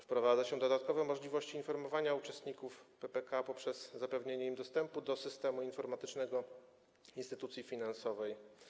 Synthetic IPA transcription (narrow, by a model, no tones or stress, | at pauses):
fpɾɔvad̪zaɕɛd̪ɔd̪at̪kɔvɛmɔʐlʲivɔɕt͡ɕiːnfɔɾmɔvaɲaut͡ʂɛst̪ɲikufpɛpɛkapɔpʂɛz̥ːapɛvɲeɲɛimd̪ɔst̪ɛmpud̪ɔsɘst̪ɛmuinfɔɾmat̪ɘt͡ʂnɛɡɔ | inst̪ɘt̪ut̪sʲjifʲinansɔvɛj